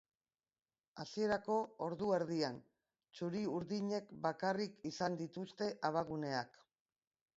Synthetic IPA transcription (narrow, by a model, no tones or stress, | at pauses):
asie̞ɾako̞oɾðueɾð̞ian | t͡ʃuɾiuɾðiɲe̞kbakarikisand̪it̪ust̪e̞ʔaβ̞aɣune̞ak